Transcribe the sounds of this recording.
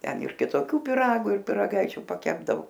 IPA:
ˈtʲɛn ɪr kʲɪtoːˈkʲʊ pʲɪˈrɑːɡʊ ɪr pʲɪrɐˈɡɐɪt͡ʃʲʊ pɐˈkʲæːbdɐʋʊ

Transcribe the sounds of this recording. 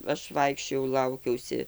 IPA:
ˈɐʃ ˈʋɐɪkʃʲt͡ʃʲoːjɛʊ ˈlˠɐʊkʲɛʊsʲɪ

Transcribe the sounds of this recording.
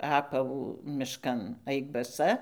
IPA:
ˈɑːpɐʋuː mʲɪʃˈkɐn ˈɐɪk bɐˈsɐ

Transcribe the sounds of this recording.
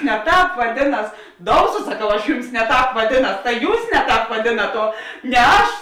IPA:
nʲɛ ˈtɑːp ʋɐˈdʲeːˌnɐs ˈdoːʊsoː sɐˈkɐʊ ɐʃ ˈjʊms nʲɛ ˈtɑːp ʋɐˈdʲeːˌnɐs tɐ ˈjuːs ˈnʲɛ ˌtɑːp ʋɐˈdʲeːnɐt oː nʲɛ ˈɐʃ

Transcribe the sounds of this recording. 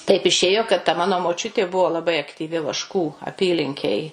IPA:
tɐɪp ɪˈʃʲeːjoː kɐt tɐ ˈmɑːnoː moːˈt͡ʃʲʊtʲeː ˈbʊʋoː lˠɐˈbɐɪ ɐktʲiːˈʋʲɪ ˈʋɑːʃkuː ɐˈpʲiːlʲɪŋʲkʲeːj

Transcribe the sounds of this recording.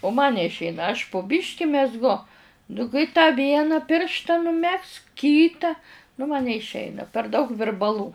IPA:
ʊ mɐn nʲɛɪʃʲˈɛɪnɐ ɐʃ pʊ ˈbʲɪʃʲkʲɪ mʲɛzˈɡʊ nʊ kɐɪ tɑː ˈʋʲiɛnɑː ˈpʲɪrʃtɐ nʊˈmʲɛksk ˈkʲiːtɐ nʊ mɐ nʲɛɪʃʲˈɛɪnɐ pʲɛr dɐʊk ʋʲɪrbɐˈlˠuː

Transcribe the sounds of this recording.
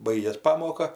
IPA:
ˈbɐɪɡʲeːs ˈpɑːmoːkɐ

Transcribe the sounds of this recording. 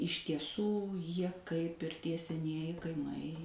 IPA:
ɪʃ tʲiɛˈsuː ˈjiɛ kɐɪp ɪr ˈtʲiɛ sʲɛˈnʲiɛjɪ kɐɪˈmɐɪ

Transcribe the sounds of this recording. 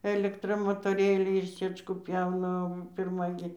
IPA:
ɛlʲɛkˈtrɐ moːtoːˈrʲeːlʲɛɪ ɪr ˈsɨɛt͡ʃkuː ˈpʲjɛʊnɐ oː pʲɪrˈmɐ ɡʲɪ

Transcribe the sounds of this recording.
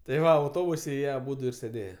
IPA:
tɐɪ ˈʋɐ ɐʊˈtoːbʊsʲɛ ˈjiɛ ɐˈbʊdʊ ɪr sʲeːˈdʲeːjɛ

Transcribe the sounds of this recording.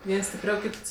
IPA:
ˈʋʲiɛns sʲtʲɪpʲˈrʲɛʊ ˈkʲiːts

